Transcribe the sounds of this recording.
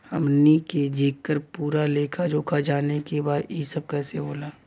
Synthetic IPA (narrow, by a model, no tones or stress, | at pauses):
hɐmniked͡ʒeːkːəɾpuːɾaleːkʰad͡ʒoːkʰad͡ʒaːnekebaːd̪isəb̚kɛːseboːlaː